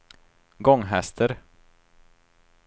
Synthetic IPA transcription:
ɡɔŋːɦɛst̪ʰəɾ

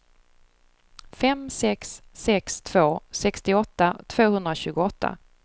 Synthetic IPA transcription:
fɛmsɛksːɛkst̪ʰv̥oːsɛkst̪ɪɔt̪ːat̪ʰv̥oːhɵnd̪ɾaɕʉ̟ːɡʊɔt̪ːa̰

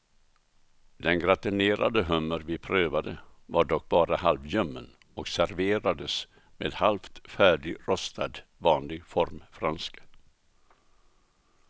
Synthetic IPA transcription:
d̪ɛnɡɾat̪ɪneːɾa̰d̪əɦɵmːəɾvɪpʰɾøːvad̪əvaɖɔk̚ːbɑːɾahalvjœmːən | ɔksæɾveːɾad̪əs | mḛːd̪halft̪fæːɖɪɡɾɔst̪ʰad̪vɑːnlɪɡfɔɾmfɾanskə

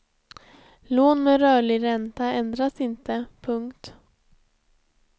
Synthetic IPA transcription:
loːnmeɾœːɭɪɾɛnt̪aɛnd̪ɾasɪnt̪əpʰɵŋkt̪

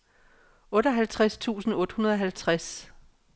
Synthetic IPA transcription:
ɔ̽ɾɒɦælt͡sʰʁast͡sʰṵːsn̩ɔ̽ːd̥hunɐðˠɒ̽ɦælt͡sʰʁas

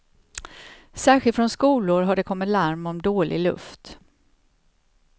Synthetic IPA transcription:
sæːɾɧɪlt̪fɾɔnskuːlʊɾɦaɖɛkʰɔmːɪt̪laɾmɔmd̪oːlʔɪ̰ɡlɵ̰ft̪

